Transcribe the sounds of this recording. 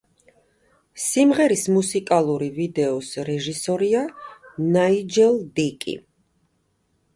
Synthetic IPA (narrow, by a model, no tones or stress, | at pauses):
simʁɛɾismusikʼalˠuɾivid̪ɛɔsɾɛʒisɔɾianaid͡ʒɛlˠd̪ikʼḭ